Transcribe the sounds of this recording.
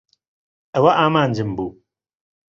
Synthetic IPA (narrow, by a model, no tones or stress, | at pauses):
ʔɐwɐʔaːmaːnd͡ʒɨmbuː